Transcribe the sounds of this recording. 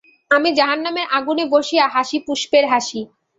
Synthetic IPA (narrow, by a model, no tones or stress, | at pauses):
amid͡ʑaɦanːameɾʔaɡuneboʃiaɦaʃipuʃpeɾɦaʃi